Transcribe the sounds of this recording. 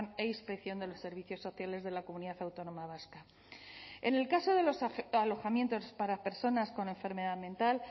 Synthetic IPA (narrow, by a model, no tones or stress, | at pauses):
ne̞ispe̞kθjo̞nd̪e̞lo̞sːe̞ɾβ̞iθjosːo̞θjale̞zðe̞lako̞muniðaθawt̪o̞no̞maβ̞aska | ene̞lkaso̞ðe̞lo̞salo̞xamje̞nt̪ospaɾape̞ɾso̞nasko̞ne̞ɱfe̞ɾme̞ðaðmẽ̞nt̪al